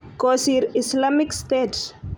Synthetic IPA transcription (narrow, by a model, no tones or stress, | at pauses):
kosiɾislamikst̪ets